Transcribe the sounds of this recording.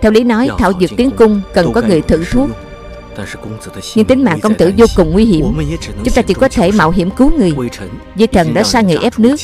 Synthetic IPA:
t̪ʰɛ˧wli˨˦nɔ˨˦jt̪ʰa̰ː˧˩wzɨ̰˨˩k̚t̪i˨˦ənkʊ˧ŋ͡mkə˨˩nkɔ˨˦ŋɨ˨˩əjt̪ʰɨ̰˧˨t̪ʰu˦˥k̚ | ɲɨ˧ŋt̪i˨˦ŋ̟ma̰ː˧˨ŋkə˧wŋ͡mt̪ɨ̰˧˩zo˧kʊ˨˩ŋ͡mŋwi˧ɦi˧˩əmt͡ɕʊ˨˦ŋ͡mt̪aː˧t͡ɕḭ˧˦kɔ˨˦t̪ʰe˧˩ma̰ː˧˨wɦḭ˧˥əmku˨˦ŋɨ˨˩əjjzi˧jt̪ʰə˨˩nɗa̰ː˧˥saː˧ŋɨ̰˨˩əjʔɛ˦˥p̚nɨ˦˥ək̚

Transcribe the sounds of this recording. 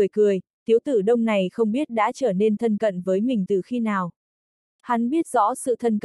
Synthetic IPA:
əjkɨ˨˩əjt̪i˨˦əwt̪ɨ˧˩ɗə˧wŋ͡mna˨˩jxə˧wŋ͡mɓi˦˥ət̚ɗa̰ː˧˥t͡ɕəː˧˩ne˧nt̪ʰə˧nkə̰˧˨nvəː˨˦jmï˨˩ŋ̟t̪ɨ˨˩xi˧naː˨˩w | ha˨˦nɓi˦˥ət̚z̥ɔ̰˧˥sɨ̰˧˨t̪ʰə˧nk

